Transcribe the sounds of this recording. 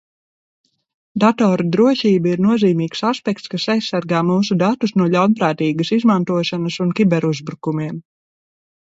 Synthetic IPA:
d̪at̪ɔːɾud̪ɾuɔʃiːbaiɾnuɔziːmiːksaspɛk̚t̪skasajsːaɾɡaːmuːsud̪at̪usnuɔʎʲawnpɾaːt̪iːɡɐsizmant̪uɔʃanɐsunkʲibɛɾuzbɾukumiɛm

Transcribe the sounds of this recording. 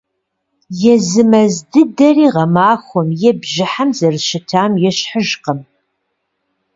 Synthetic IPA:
jɛzɨmɐzdɨdɐriːʁɐmaːxʷɔmjɛbʒɪħamzɐrʃɪtʰaːmjɛɕħəʒqəm

